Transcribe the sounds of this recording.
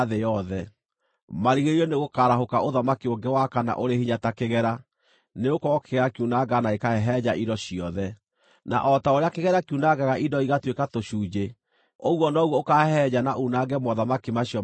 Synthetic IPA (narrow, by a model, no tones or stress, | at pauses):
ðejɔðɛ | maɾiɣeɾiɔneɣokaɾaɦokaʔoðamakioŋɡɛwakana̰ʔoɾehiɲatakeɣɛɾa | neokɔɣɔkeɣɛɾakiunaɡanaekaɛɦɛd͡ʑaʔidɔɕiɔðɛ | na̰ʔɔtaoɾeakeɣɛɾakunaɡaɣaʔidɔiɣatwekatoɕuːd͡ʑe | oɣwɔnɔɣwɔokaɛhɛd͡ʑanaʔunaɡɛmɔðamakimaɕiɔ